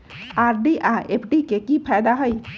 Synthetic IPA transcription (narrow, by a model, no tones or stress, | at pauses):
aɾɖiʔaʔepʰɖikekipʰajd̪aɦəj